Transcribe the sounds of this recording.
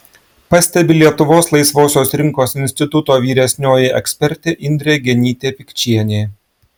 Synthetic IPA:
pɐsʲt̪ʲɛbʲɪlʲiɛt̪ʊʋoːslˠɐɪsʋoːsʲoːsɾʲɪŋkoːsɪnʲsʲt̪ʲɪt̪ʊt̪oːʋʲiːɾʲɛsʲnʲoːjɪʔɛksʲpʲɛɾʲt̪ʲeːʔɪnʲd̪ʲɾʲeɡʲɛnʲiːt̪ʲeːpʲɪkʲt͡ʃʲiɛnʲeː

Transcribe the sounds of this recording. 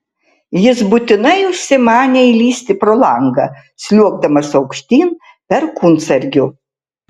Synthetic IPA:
jɪsbʊt̪ʲɪnɐɪʊʃʲsʲɪmɑːnʲɛilʲiːsʲt̪ʲɪpɾolˠɐŋɡɐ | sʲlʲuɔɡd̪ɐmɐsɐʊkʃʲt̪ʲiːn | pʲɛɾkunt̪sɐɾʲɡʲʊ

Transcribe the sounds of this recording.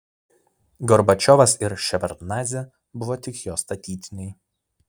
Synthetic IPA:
ɡɔɾbɐt͡ʃʲɔʋɐsɪɾʃʲɛʋʲɐɾt̪nɑːzʲɛ | bʊʋoːt̪ʲɪkjoːst̪ɐt̪ʲiːt̪ʲɪnʲɛɪ

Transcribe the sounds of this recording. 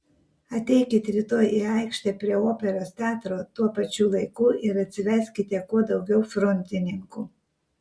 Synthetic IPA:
ɐt̪ʲɛɪkʲɪt̪ʲɾʲɪt̪oːjʔiɑɪkʃʲt̪ʲepʲɾʲiɛoːpʲɛɾoːst̪ʲæːt̪ɾoːt̪uɔpɐt͡ʃʲuːlˠɐɪkuːʔɪɾɐt̪ʲsʲɪʋʲɛɾʲsʲkʲɪt̪ʲiɛkuɔd̪ɐʊɡʲɛʊfɾɔnʲt̪ʲɪnʲɪŋkuː

